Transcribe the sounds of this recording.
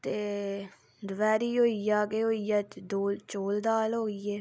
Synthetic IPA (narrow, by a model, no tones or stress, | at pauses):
t̪eː | d̪ʊʋɛːɾiːɦoːijaːɡeːɦoːijaːt͡ʃd̪oːlt͡ʃoːld̪aːlɦoːɡiɛː